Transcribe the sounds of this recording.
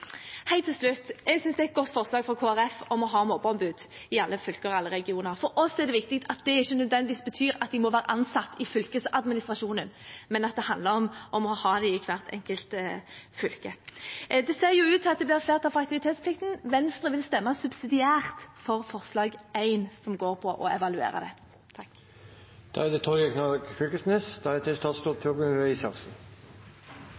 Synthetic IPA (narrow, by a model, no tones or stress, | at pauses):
hæɪt̪ʰɪlslʉt̪ːjɛɡsʏnsd̪ɛæɛt̪̚ɡɔt̪ːfɔʁslɑːɡfʁɔkʰoːæʁɛfɔmɔɦɑːmoːbɔnbʉːd̪ | ɪɑlːəfʏlkəɑlːəɾɛɡɪuːnəɾfɔɾɔsːɔɛʁd̪ɛʋɪk̚t̪ɪkt̪ʰɑt̪̚d̪ɛɪçːənœd̪ʋɛnd̪ɪʋiːsbət̪ʰyːɾɑt̪d̪ɪmɔʋæːɾəʔɑnsɑt̪ːɪfʏlkəsɑd̪mɪnɪst̪ɾɑʂuːnənmɛnɑt̪̚d̪ɛhɑnd̪ləɾɔmʔɔmɔhɑːd̪ɛɪkʰʋæʁt̪ʰɛ̰ŋkəlt̪fʏlkəd̪ɛseːʁjʊʉːt̪ʰːɑt̪̚d̪ɛblɪʁfleːʁt̪ɑfɑk̚t̪ɪʋɪt̪ʰeːt̪spʰlɪkt̪n̩ʋɛnst̪ʁəʋɪlst̪ɛmːɑsʉbsɪd̪ɪæːʁt̪fɔʁfɔʁslɑːɡæɪnsɔmɡoːʁpʰɔʔɔɛʋɑlʉḛːɾɑ̰d̪ɛ̰ | t̪ʰɑkː | d̪̥ɑ̰ɛd̪ɛt̪ʰɔɛknɑkfʏlkəsnɛsd̪ɑɛɛt̪ɪst̪ʰɑt̪st̪uːt̪̚pʰʉʁɡənʋɛɪsɑʁsə